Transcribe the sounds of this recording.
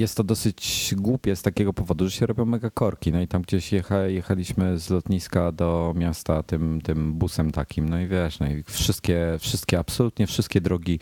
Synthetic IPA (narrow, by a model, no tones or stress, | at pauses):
jɛst̪ːɔd̪ɔsɘt͡ɕɡwupʲjɛst̪akʲɛɡɔpɔvɔd̪uʐɛɕɛɾɔbʲjɔ̃w̃mɛɡakɔɾkʲinɔit̪amɡd͡ʑeɕjɛxajɛxalʲiɕmɘzlɔt̪ɲiskad̪ɔmʲjast̪at̪ɘmt̪ɘmbusɛmt̪akʲimnɔivʲjɛʂnɔifʂɘst̪̚kʲɛfʂɘst̪kʲɛapsɔlut̪ɲɛfʂɘst̪kʲɛd̪ɾɔɡʲi